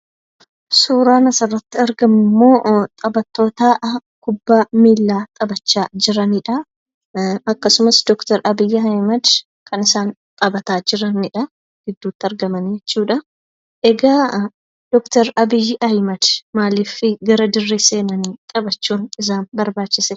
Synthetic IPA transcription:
suːɾaːnɐsɐrːɐt̪ːɪɐɾɡɐmɪmːo̞ːt̪ʼɐbɐt̪ːo̞ːt̪aːkʊbːaːmiːlːaːt̪ʼɐbɐt͡ʃːaːd͡ʒɪɾɐniːᶑɐ | ɐkːɐsʊmɐsd̪ɔkt̪ɐɾʔɐbɪjːɪɐjmɐd̪ | kʰɐnɪsaːn | t̪ʼɐbɐt̪aːd͡ʒɪɾɐnɪᶑɐ | ɡ̥ɪd̪ːuːt̪ːɪɐɾɡɐmɐnd͡ʒɛt͡ʃːuːᶑɐ | ʔɛɡaː | d̪̥ɔkt̪ɐɾɐbɪjːɪʔɐjmɐd̪̥maːliːfɪɡɐɾɐd̪ɪrːese̞ːnɐniːt̪ʼɐbɐt͡ʃːuːnɪzaːnbɐɾbaːt͡ʃːɪsɛ

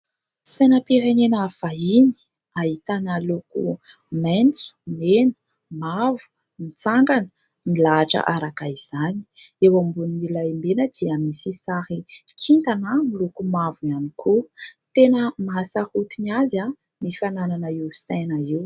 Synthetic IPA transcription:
sajnəpiɾenenəfaini̥ | ait̪analukṵment͡su̥menə̥ | mavu̥ | mit͡saŋɡanə̥ | nilaaʈ͡ʂa̰ʔaɾakaiz̥ani̥ewambuninilajmbenəd̪iamisisaɾikʰint̪anamilukumavuanikʰut̪enəmaɦasahut̪inaza | nifanananaiwsi̥t̪anaiw

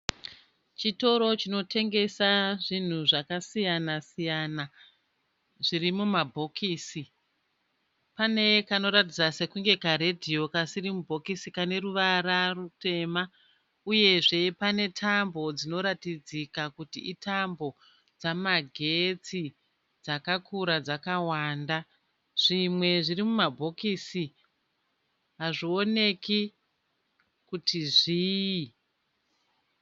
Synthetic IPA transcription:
t͡ʃito̞ɾo̞t͡ʃino̞tʰe̞ŋɡe̞saʐin̤uʐakasijanasijana | ʐiɾimumabʱo̞kʰiːsi | pane̞kano̞ɾat̬id͡zase̞kuŋɡe̞kaɾedʱio̞kasirimubʱo̞kisikane̞ruʋaɾarute̞ma | uje̞ʐe̞pane̞tʰambo̞d͡zino̞ɾatid͡zikakutiʔitambo̞ | d͡zamaɡʱe̞t͡si | d͡zakakuɾad͡zakawaːnda | ʐ̥imwe̞ʐirimumabʱo̞kisi | ɦaʐio̞ne̞ki | kutiʐi

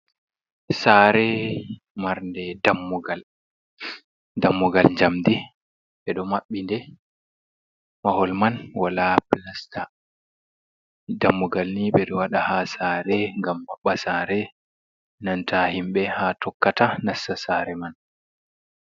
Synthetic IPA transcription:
saːɾɛ | maɾndɛdamːuɡal | damːuɡald͡ʒamd̪i | ɓɛɗɔmaɓːindɛ | mahɔlmanwalaplasta | damːuɡalniɓɛɗɔwaɗahasaːɾɛŋɡamːaɓːasaːɾɛ | nantʰahimɓɛhatʰɔkːatanasːasaɾɛman

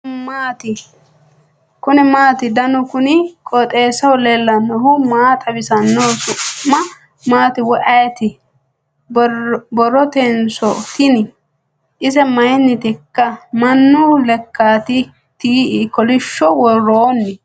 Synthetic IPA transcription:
maːt̪ɪ | kʊnɪmaːt̪ɪd̪ɐnɔkʊnɪkʼɔt̪ʼeːsɐwɔlɛlːɐnːɔhʊmaːt̪ʰʼɐbɪsɐnːoːsʊʔmɐ | maːt̪ɪwɔʔɐjt̪ɪ | bbɔrːɔt̪ɛnsɔt̪ɪnɪ | ʔɪsɛmɐjnːɪt̪ɪkːɐmɐnːʊlɛkːaːt̪ɪ | t̪iːkɔlɪʃːɔwɔrːoːnːɪ

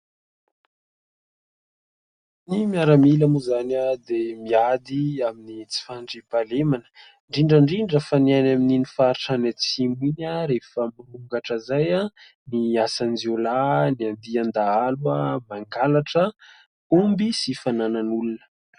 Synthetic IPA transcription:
nimiaɾamilamuzanad̪emiad̪iaminit͡si̥faɳɖ͡ʐipalemanə̥ | ɳɖ͡ʐiɳɖ͡ʐəɳɖ͡ʐiɳɖ͡ʐəfanianamininifaɾiʈ͡ʂanat͡siminaɾefəmuɾuŋɡaʈ͡ʂəzaja | niasanziolaniand̪iand̪aaluamaŋɡalaʈ͡ʂə | umbisifanananulunə̥

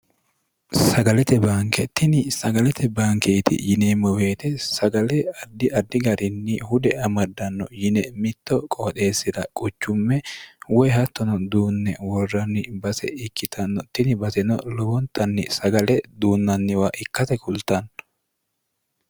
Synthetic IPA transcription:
sɐɡɐlɛt̪ɛbaːŋkɛt̪ːɪnɪsɐɡɐlɛt̪ʰɛbaːŋkeːt̪ɪ̰jɪneːmːɔwe̞ːt̪ɛsɐɡɐlɛɐd̪ːɪʔɐd̪ːɪɡɐɾɪnːɪhʊd̪ɛɐmɐd̪ːɐnːɔjɪnɛmɪt̪ːɔkʼoːt̪ʼe̞ːsːɪd̪ɐkʼʊt͡ʃːʊmːɛwɔjɦɐt̪ːɔnɔd̪uːnːɛwɔrːɐnːɪbɐsɛ̰ɪkːɪt̪ʰɐnːɔt̪ɪnɪbɐsɛnɔ̰lɔbɔnt̪ɐnːɪsɐɡɐlɛd̪uːnːɐnːɪwaːʔɪkːɐt̪ɛkʰʊlt̪ɐn

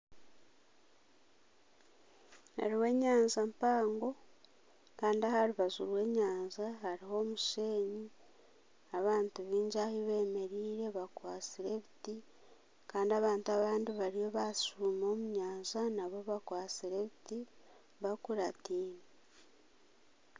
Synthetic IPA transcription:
ḛɾiwe̞ɲaːɲzampaːŋɡo̞ | kaːndiahaɾuβazuɾwe̞ːɲaːɲzahaɾiho̞ːmuʃe̞ːɲi | aβaːntuβiːɲɟahiβe̞ːme̞ɾiːɾe̞βakwaːt͡siɾe̞βiti | kaːndiaβaːntaβaːndiβaɾijo̞βasuːmo̞ːmuɲaːɲzanaβo̞βakwaːt͡siɾe̞βiti | βakuɾatiːne

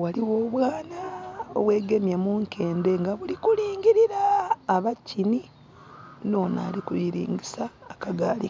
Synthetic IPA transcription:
waliwoːβwaːnao̰βwe̞ːɡe̞mjamuŋkʰe̞ːnde̞ŋɡaβulikuliːŋɟiɾiɾaːβacini | no̞ːna̰ːlikujiɾḭːŋɡisaːkaɡaːli

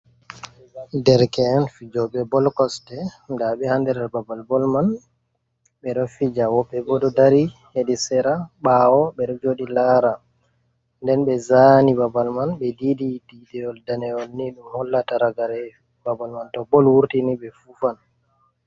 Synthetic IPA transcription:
dɛɾkɛnfid͡ʒɔɓɛbɔlkɔstɛndaɓɛhandɛɾɛɾbabalbɔlman | ɓɛɾɔfid͡ʒawɔbɛbɔdɔdaɾiheɗisɛɾaɓawɔbɛɗɔd͡ʒoɗilaɾa | ndɛnɓɛzanibabalmanbɛdidididɛɔldanɛɔlniɗumhɔlːataɾaɡaɾɛ | babalmantɔbɔlwuɾtiniɓɛfufan

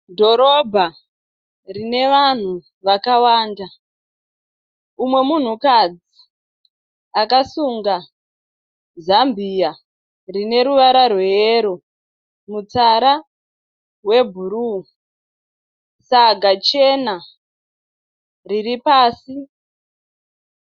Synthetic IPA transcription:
dʱo̞ɾo̞bʱa | rine̞ʋan̤u | ʋakawaːnda | umwe̞mun̤ukad͡zi | akasuŋɡa | zambia | rine̞ɾuʋaɾarweeɾo | mut͡saɾa | we̞bʱuɾu | saɡat͡ʃe̞na | riripaːsi

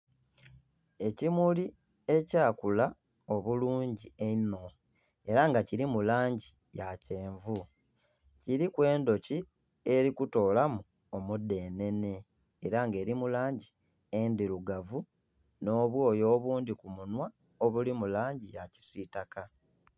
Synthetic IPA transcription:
e̞cimuli | e̞caːkula | o̞βuluːɲɟieno̞ | e̞ɾaŋɡaciɾimulaːɲɟi | jace̞ːɱvu | ciɾikwe̞ːndo̞ci | e̞ɾikuto̞ːlamu | omudːe̞ːne̞ne̞ː | ɾaŋɡe̞ːɾimulaːɲɟi | endiɾuɡavu | no̞ːβwo̞ːjo̞ːβuːndikumunwa | o̞βulimulaːɲɟijaci̥sitaka

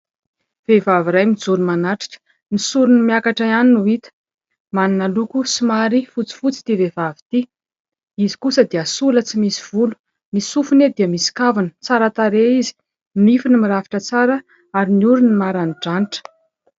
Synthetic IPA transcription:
v̥evaviɾajmid͡zuɾumanaʈ͡ʂi̥kə̥ | nisuɾunimiakaʈ͡ʂaianinuit̪ə̥ | maninalukusimaɾifut͡si̥fut͡si̥t̪ivevavi̥t̪i | izi̥kusəd̪iasulət͡simisiv̥ulu̥ | misufuned̪iəmisi̥kavunət͡saɾət̪aɾeizi̥ | nifinimiɾaviʈ͡ʂət͡saɾə | aɾiniuɾunimaɾaniɖ͡ʐaniʈ͡ʂə̥

